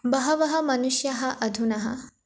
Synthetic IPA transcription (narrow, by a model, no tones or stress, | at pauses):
bɐɦɐʋɐɦɐmɐnuʃjɐɦɐʔɐd̪ʱunɐɦɐ